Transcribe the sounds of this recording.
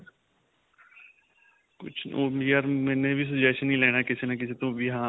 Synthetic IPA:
kʊ̰t͡ʃʰoːiːəɾmɛ̃ːnẽːbʱiːs̬ʊd͡ʒaːʃnĩːlɛːnaːkɪsenəkɪseːt̪õːbiɦãː

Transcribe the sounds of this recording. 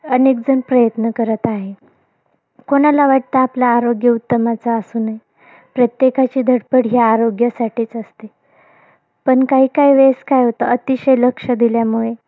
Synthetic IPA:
ənek̚d͡zənpɾəjət̪nəkəɾət̪aɦe | koɽ̃alaʋaʈ̚t̪əaplaːɾoɡjəut̪ːəmat͡saːsuːnaj | pɾət̪jekat͡ɕiːd̪ʱəɽpəɽɦjaːɾoɡjəsaʈiːt͡səst̪e | pəɳkaɦiːkaɦiʋeskajɦot̪əʔət̪iɕəjləkʂəd̪iljamuɭe

